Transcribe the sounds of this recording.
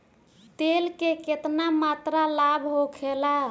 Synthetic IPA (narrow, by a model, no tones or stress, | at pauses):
t̪elkeket̪namat̪ɾalabʱɦokʰela